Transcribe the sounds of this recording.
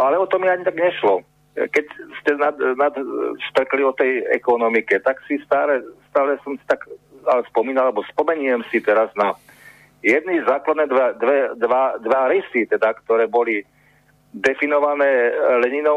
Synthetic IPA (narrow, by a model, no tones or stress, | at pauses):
alɛɔt̪ɔmiaɲit̪aɡɲɛʃlɔ | kɛcscɛnad̪nad̪st̪r̩kliɔt̪ɛjɛ̰kɔnɔmikɛt̪aksist̪aːlɛst̪aːlɛsɔmsi̥t̪akalɛspɔmiːnalalɛbɔspɔmɛɲuɛmsit̪ɛɾazna | jɛd̪̚nizaːklad̪nɛd̪ad̪ʋɛd̪ʋad̪ʋaɾɛsit̪ɛd̪akt̪ɔɾɛːbɔli | d̪ɛfinɔʋanɛːlɛɲinɔ